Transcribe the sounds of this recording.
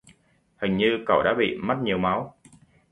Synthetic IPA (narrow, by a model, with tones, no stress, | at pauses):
hɨ˨˩ŋ̟ɲɨ˧kə˧˩wɗa̰ː˧˥ɓḭ˧˨ma˦˥t̚ɲi˨˩əwma˨˦w